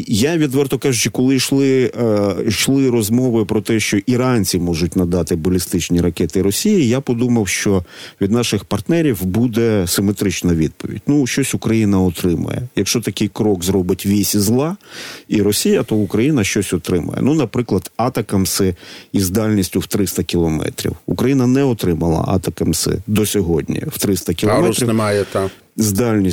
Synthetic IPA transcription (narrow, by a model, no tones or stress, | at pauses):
jaʋʲid̪ʋɛrt̪ɔkɑʒʊt͡ʃɪkɔlˠɪʃlˠɪ | ʃlˠɪɾɔzmɔʋɪpɾɔt̪ɛʃt͡ʃɔʔiɾɑnʲt͡sʲimɔʒʊt̚ʲnɐd̪ɑt̪ɪbɔlʲist̪ɪt͡ʃnʲiɾɐkɛt̪ɪɾɔsʲijijapɔd̪umɐwʃt͡ʃɔʋʲid̪nɑʃɪxpɐrt̪nɛɾʲiwbud̪ɛsɪmet̪ɾɪt͡ʃnɐʋʲid̪̚pɔ̰ʋʲḭdʲnuʃt͡ʃɔsʲʊkɾɐjinɐɔt̪ɾɪmɐ̰jɛ̰jɐkʃt͡ʃɔt̪ɐkɪjkɾɔkzɾɔbɪtʲʋʲisʲizlˠɑiɾɔsʲijɐt̪ɔʊkɾɐjinɐʃt͡ʃɔsʲɔt̪ɾɪmɐ̰jɛ̰nunɐpɾɪklˠɐd̪̥ɑt̪ɐkɐmsɪizd̪ɑlʲnʲisʲtʲʊwt̪ɾɪst̪ɐkʲilˠɔmɛ̰t̪ɾʲḭwukɾɐjinɐnɛɔt̪ɾɪmɐlˠɐ̰ʔɑ̰t̪ɐkɐmsɪ̰d̪ɔsʲɔɦɔdʲnʲḭw̥t̪ɾɪst̪ɐkʲɪlˠɔmɛɾʲijɛt̪ | zd̪ɑlʲnʲi